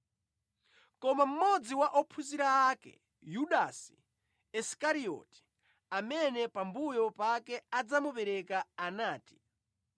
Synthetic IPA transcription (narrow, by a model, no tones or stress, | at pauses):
kɔmam̩mɔd͡ziwaʔɔpʰusiɾaːkɛ̰ | juɗasi̥ | ɛskaɾiɔ̰ti̥ | amɛnɛpambujɔpakɛad͡zamupɛɾɛkaːnaːti̥